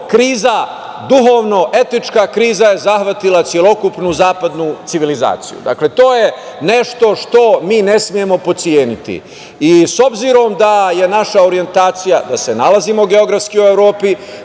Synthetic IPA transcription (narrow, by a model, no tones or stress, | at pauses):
kɾiːza | d̪uɦo̞ːʋno̞ʔe̞t̪it͡ʃkakɾiːzaje̞zaxʋat̪ilat̪sje̞lo̞kupnuzaːpad̪nut̪siʋiliza̰ːt̪sijṵd̪a̰kle̞t̪o̞ːjene̞ʃt̪o̞ʃt̪o̞miːne̞smije̞mo̞po̞t̪sijeːnit̪ḭ | iso̞bziɾo̞md̪aje̞naʃaoɾije̞nt̪aːt̪sijad̪ase̞nalazimo̞ɡe̞o̞ɡɾafskiueʋɾo̞ːpi